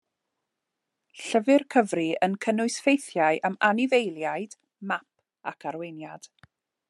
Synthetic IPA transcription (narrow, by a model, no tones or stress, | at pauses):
ɬəvɪrkʰəvriənkʰənʊɨsfejθjaɨʔamanɪvejlˠjaɨd̥ | map̚ | a̰kʰaɾwejnjad̥